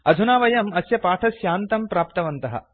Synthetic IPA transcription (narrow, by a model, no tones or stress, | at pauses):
ɐd̪ʱunaːʋɐjɐmɐsjɐpaːʈʰɐsjaːnt̪ɐmpɾaːpt̪ɐʋɐnt̪ɐɦɐ̰